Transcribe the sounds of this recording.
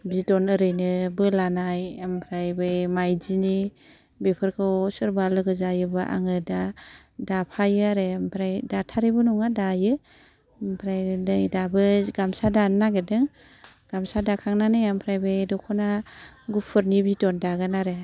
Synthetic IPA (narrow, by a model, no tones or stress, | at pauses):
bidɔnɯɾɯjnɯbɯlanajampʰɾajbɯjmajd͡ʒini | bepʰɯɾkʰɯwsɯɾbalɯɡɯzajɯbɯʔa̰ŋɯda | dapʰajɯaɾeampʰɾajdatʰaɾibɯnɔŋadajɯ | mpʰɾajlɯjdabɯɡamsadanːaɡedɯŋ | ɡ̥amsadakʰaŋnanɯjampʰɾajbɯjdɔkʰɔnaɡupʰɯɾnibitɔndaɡɯnaɾe